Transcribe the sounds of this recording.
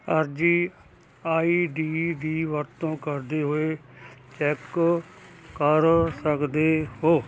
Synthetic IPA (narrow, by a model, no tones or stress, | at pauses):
əɾd͡ʒiː | aːiːɖiːdiːʋəɾt̪õːkəɾd̪eːɦoːeːt͡ʃɛk | kəɾsəkd̪eːhoː